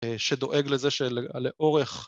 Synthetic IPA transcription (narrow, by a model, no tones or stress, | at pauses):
ʃed̪o̞ʔeɡlezeʃeleleʔo̞ʁeχ